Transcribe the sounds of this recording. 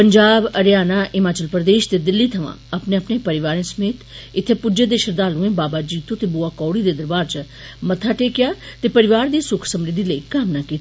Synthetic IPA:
pəɲd͡ʒaːbɐɾjaːnaːʔɪmaːt͡ʃəlpɾəd̪eːʃt̪ed̪ɪlːit̪ʰɐʋã̰ɐpnẽɐpnepɐɾɪʋaːɾẽsəmeːt̪ɪt̪ʰːepʊd͡ʒed̪eːʃəɾd̪aːlũẽbaːbad͡ʒiːt̪õt̪ebuːaːkɔːɽid̪eːd̪ɐɾbaːɾt͡ʃə | mɐt̪ʰaʈeːkɪjaːt̪epɐɾɪʋaːɾd̪iːsʊkʰsɐmɾɪd̪ʱːiləiːkaːmnakiːt̪ː

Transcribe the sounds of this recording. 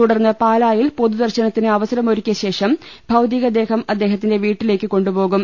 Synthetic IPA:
uɽɐrnːɐpaːlaːjilpo̞ðud̪ɐrɕɐnɐt̪ːinɨɐʋɐsɐɾɐmo̞ɾukʲːɐɕe̞ːʂɐmbʱɐwd̪iːɣɐd̪e̞ːhɐmɐd̪ːe̞ːɦɐt̪ːinde̞ʋiːʈːile̞ːkːɨko̞ɳɖubo̞ːɣum

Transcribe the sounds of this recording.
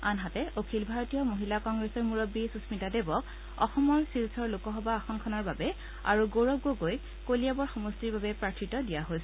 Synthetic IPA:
anɦatɛʔokʰilbʱaɹɔtijɔmoɦilakɔŋɡɹɛsɔɹmuɹobːisusmitadebɔk̚ | ɔ̰xɔmɔɹsilsɔɹlukɔɦɔbaːxɔnkʰɔnɔɹbabɛ | a̰ɹuɡoɹɔɡoɡoj | koliabɔɹxɔmɔstiɹbabɛpɹakʰɹitɔdijaɦojsɛ

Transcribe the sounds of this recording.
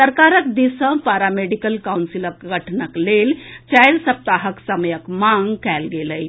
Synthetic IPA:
səɾkaɾəkd̪isə̃paɾameɖikəlkawnsiləkɡʱəʈʰnəklelt͡ʃajɾsəp̚t̪aɦəksəməjəkmãŋɡkælɡeləj

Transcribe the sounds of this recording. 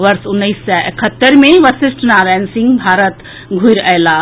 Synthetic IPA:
ʋəɾsʊnːəisːɐʔekʰət̪ːəɾmẽʋəsɪsʈnaɾaːnsĩŋɡbʱaːɾət̪ | ɡʱuiɾəla

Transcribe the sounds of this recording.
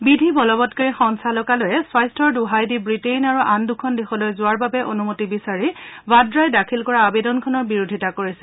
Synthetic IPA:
bidʱibɔlɔbɔtkaɹixɔŋsalɔkalojɛswajstʰɔɹduɦajdibɹitejnaɹuʔandukʰɔndexɔlojzʊaɹbabɛʔonumotibisaɹibadɹajdakʰilkɔɹaːbedɔnkʰɔnɔɹbiɹudʱitakoɹisɛ̥

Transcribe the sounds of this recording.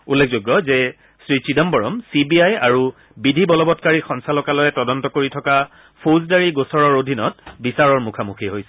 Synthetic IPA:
ulːek̚ʰzoɡːɔzɛ | sɹit͡ʃidɔmbɔɹɔmsibiajaɹu | bidʱibɔlɔbɔtkaɹixɔnsalɔkalɔjɛtɔdɔntɔkoɹitʰɔka | pʰozdaɹiɡosɔɹɔɹodʱinɔtbisaɹɔɹmukʰamuxʰiɦojsɛ̥

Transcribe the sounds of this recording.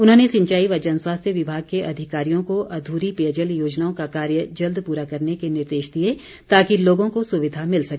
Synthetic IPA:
ʊnɦõːnesɪ̃ɲt͡ʃaːiʋɐd͡ʒɐnswaːst̪ʰjəʋɪbʱaːɡ̚keʔɐd̪ʱɪkaːɾijõkoʔɐd̪ʱuːɾipejəd͡ʒəljoːd͡ʒnaːõkakaːɾjəd͡ʒɐld̪puːɾakɐɾnekenɪɾd̪eːʃd̪ie | t̪aːkiloːɡõkosʊʋɪd̪ʱamɪlsɐkː

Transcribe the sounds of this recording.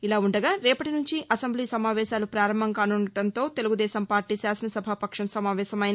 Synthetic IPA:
ilaːuɳɖɐɡaːɾɛːpɐʈinuɲt͡ʃiʔɐsɐmbliːsɐmaːʋɛːʃaːlupɾaːɾɐmbʱɐŋkaːnuɳːɐɽɐnt̪o̞ːt̪e̞luɡud̪ɛːsɐmpaːɾʈiːsaːsɐnɐsɐbʱapɐkʂɐɳɐsɐmaːʋɛːʃɐmɐjn

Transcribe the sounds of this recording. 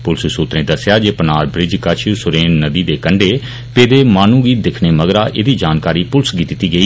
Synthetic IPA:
pʊlssuːt̪ɾẽːd̪əsjaːd͡ʒeːpənaːɾbɾɪd͡ʒkət͡ʃʰsʊɾeːnːəd̪iːd̪eːkəɳɖeː | peːd̪eːmaːnũːɡiːtd̪ɪkʰneːməɡɾaːʔeːd̪iːd͡ʒaːnkaːɾiːpʊlsɡiːt̪ɪt̪iːɡəi

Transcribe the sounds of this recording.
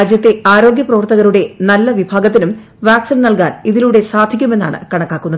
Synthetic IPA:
ad͡ʑjɐt̪ːe̞aːɾo̞ːɡjɐprɐʋɐrt̪ɐɣɐɾuɽe̞nɐlːɐʋibʱaːɡɐt̪ːinum | ʋaːksinnɐlkaːniðiluɽe̞saːd̪ʱikʲːume̞nːa̰ːɳɨ̰kɐɳɐkːaːkːunːɐðɨ

